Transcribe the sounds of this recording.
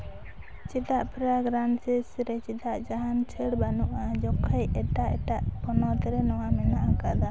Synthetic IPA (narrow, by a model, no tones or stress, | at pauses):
t͡ʃid̪aʔpʰɾaɡɾansisɾɛt͡ʃid̪aʔd͡ʒaɦant͡ʃʰəɽbanuʔad͡ʒɔkʰəjɛʈaʔɛʈaʔpɔnɔt̪ɛɾɛnɔwamɛnaʔakad̪a